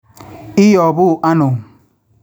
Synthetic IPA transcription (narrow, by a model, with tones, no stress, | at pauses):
i˦jɔ˨bʊ˦˨ʔa˦nʊ˨